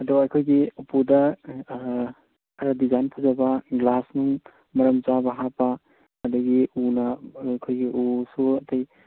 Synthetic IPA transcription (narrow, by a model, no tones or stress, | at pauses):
ɐduɐjkʰojɡiupudɐ | kʰɐɾɐdizajnpʰɐzɐbɐɡlasnuŋ | mɐɾɐmt͡ʃabɐɦapɐː | dɐɡiunɐkʰojɡiʔusuɐtɐj